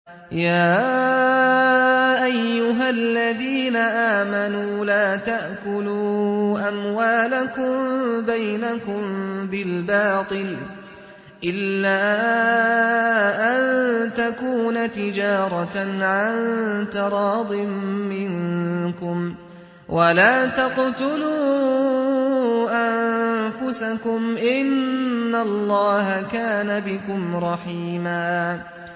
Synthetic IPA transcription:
jaː | ʔajːʊɦalːaðiːnaʔaːmanuːlaːt̪aʔkʊluːʔamwaːlakʊmbajnakʊmbɪlbɑːt̪ˤɨl | ʔɪlːaː | ʔant̪akuːnat̪ɪd͡ʒɑːɾˤɑʕant̪ɪɾˤɑːd̪ˤɨmːɪŋkʊm | wʔalaːt̪ɑqt̪ʊluː | ʔanfʊsakʊmʔɪnːalːɑːɦakaːnabɪkʊmɾˤɑħiːmaː

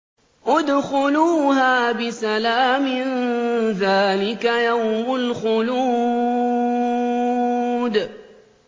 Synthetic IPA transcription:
ʔʊd̪xʊluːɦaːbɪsalaːmɪnðaːlɪkajawmʊlxʊluː | d̪

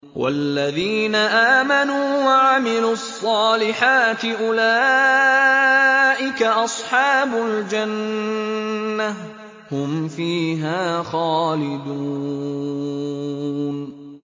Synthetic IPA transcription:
wʔa̰lːaðiːnaʔaːmanuːwaʕamɪluːɑsˤːɑːlɪħaːt̪ɪʔʊlaː | ʔɪkaʔɑsˤħɑːbʊld͡ʒan | a | hʊmfiːɦaːxɑːlɪd̪u | n

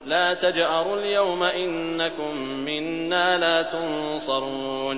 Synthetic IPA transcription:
laːt̪ad͡ʒʔɑɾˤʊljawmaʔɪnːakʊmːɪnːaːlaːt̪ʊnsˤɑɾˤuːn

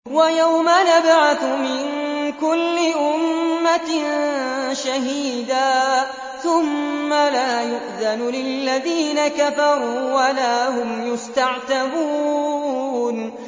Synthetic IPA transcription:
wajawmanabʕaθʊmɪnkʊlːɪʔʊmːa | ʃaɦiːd̪aː | θʊmːalaːjʊʔðanlɪlːaðiːnakafɑɾˤuːwalaːhʊmjʊst̪aʕt̪abuː | n

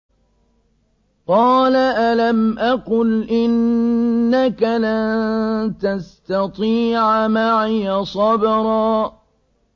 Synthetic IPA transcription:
qɑːlaʔalamʔaqʊlʔɪnː | akalant̪ast̪ɑt̪ˤiːʕamaʕɪjasˤɑbɾˤɑː

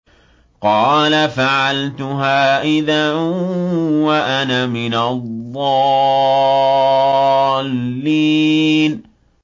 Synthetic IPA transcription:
qɑːlafaʕalt̪ʊɦaːʔɪða | waʔanamɪnaðˤːɑ | lːiːn

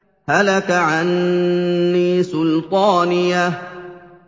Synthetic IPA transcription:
halakaʕanː | iːsʊlt̪ˤɑːnɪja

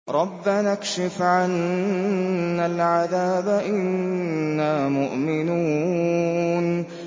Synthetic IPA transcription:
ɾˤɑbːanakʃɪfʕan | alʕaðaːbaʔɪnːaːmʊʔmɪnuː | n

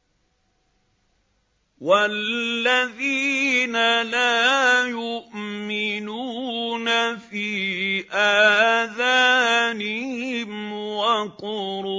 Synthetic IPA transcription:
walːaðiːnalaːjʊʔmɪnunafiːʔaːðaːnɪhhɪmwaqʊɾu

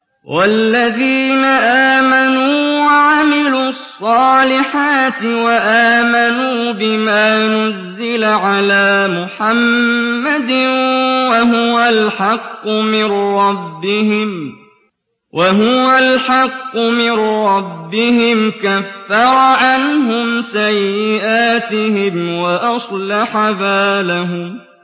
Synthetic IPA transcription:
wʔalːaðiːnaʔaːmanuːwaʕamɪluːɑsˤːɑːlɪħaːt̪ɪwaʔaːmanuːbɪmaːnazːɪlaʕalaːmʊħamːad̪ɪwaɦʊwalħɑqːʊmɪnɾˤɑbːɪhɪm | wʔaɦʊwalħɑqːʊmɪnɾˤɑbːɪhɪmkafːɑɾˤɑʕanɦʊmsajːɪʔaːt̪ɪhɪmwaʔɑsˤlaħabaːlaɦʊm

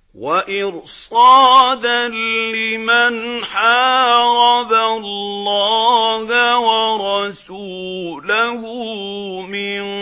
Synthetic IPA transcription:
waʔɪɾsˤɑːd̪allɪmanħaːɾɑðallːɑːhawɑɾˤɑsuːlahumɪn

